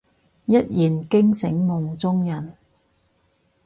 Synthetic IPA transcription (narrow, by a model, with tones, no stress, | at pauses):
jɐ˦˥t̚jiː˨˩nkɪ˥ŋsɪ˨˥ŋːʊ˨˧ŋt͡sʊ˥ŋjɐ˨˩n